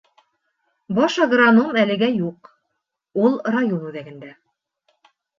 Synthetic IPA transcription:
bɑʃɑɡranomælɘ̆ɡæjuq | ulˠrajonʉðæɡɘ̆nd̪æ

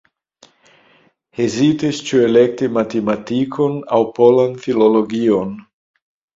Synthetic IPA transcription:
hezitist͡ʃue̞lek̚timatematikʰona̰wpolanfiloloɡion

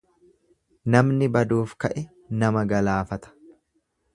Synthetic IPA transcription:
nɐmnɪbɐd̪uːfkɐʔɛ | nɐmɐɡɐlaːfɐt̪ɐ̥

